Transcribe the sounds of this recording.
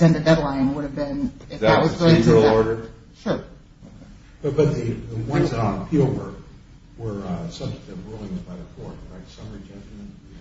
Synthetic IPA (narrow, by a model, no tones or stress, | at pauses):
sɛ̃nɨdɛdˡlãɪ̃nwʊɾɨvbɪ̃nɨfwʌzɡoɪ̃ŋl̩ɔɹɾə˞ | ʃʊɹ | b̥ʌt̚b̥ʌt̪̚ðɨðəwʌ̃nsɨnə̃npʰipl̩ˠwə˞ | wə˞sʌ̃mθʌvðɨ̃t̚bɹulˠɪ̃ŋzbaɪðəfɔɹɹaɪtsʌmə˞d͡ʒʌ̃d͡ʒl̩ˠmɨ̃nt